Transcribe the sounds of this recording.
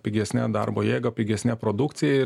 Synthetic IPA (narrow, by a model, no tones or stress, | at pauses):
pʲɪɡʲɛsʲnʲæd̪ɐ̰ɾboːjeːɡɐpʲɪɡʲɛsnʲæpɾoːd̪ʊkt̪sʲɪjɛɪ